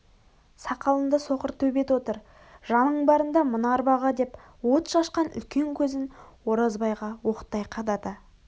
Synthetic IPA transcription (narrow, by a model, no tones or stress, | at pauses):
sɑqɑlˠənd̪əso̞qəɾt̪ʰɵbe̞t̪wo̞t̪əɾ | ʒɑnəɴbɑɾənd̪ɑmʊnɑɾbɑʁɑd̪e̞p | wo̞t̪ʃɑʃqɑnʏ̰lkʲe̞ŋkʲʰɵzɪnwo̞ɾɑzbɑjʁɑwo̞qə̥t̪ːɑjqʰɑd̪ɑt̪ɑ